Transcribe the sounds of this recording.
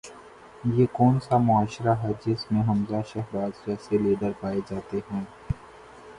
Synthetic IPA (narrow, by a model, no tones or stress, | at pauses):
jeːkɔːnsamʊaːʃɾaɦɛd͡ʒɪsmẽɦɐmzaʃɛɦbaːzd͡ʒɛːseliːɖəɾpaːed͡ʒaːt̪eɦɛ̃ː